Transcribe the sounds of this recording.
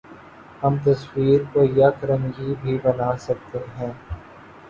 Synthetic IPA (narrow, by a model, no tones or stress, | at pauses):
ɦɐmt̪ɐswiːɾkojakɐɾə̃ŋɡibʱibɐnaːsɐk̚t̪eɦɛ̃ː